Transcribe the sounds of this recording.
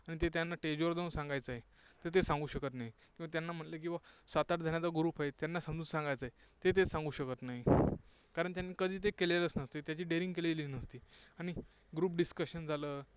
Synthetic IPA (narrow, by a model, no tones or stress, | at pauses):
aɽ̃it̪et̪janːaʈed͡ʑʋəɾd̪ə̃nsãŋɡajt͡səɦe | t̪ət̪̬esãŋɡuːɕəkət̪naɦikĩw̃ʋat̪̬janːam̤əʈləkĩw̃ʋasat̪aʈd͡zʱaɳ̃jat͡saɡɾuːpaɦet̪janːasəmd͡z̪uːnsãŋɡajt͡səɦe | t̪et̪̬esãŋɡuːɕəkət̪naɦi | kaɾəɳt̪janːikəd̪ʱiːt̪̬ekeleləsnəst̪et̪jat͡ɕiːɖeɾĩŋɡkeleliːnəst̪iːaɽ̃i | ɡɾuːp̚ɖiskəɕənd͡zʱaləː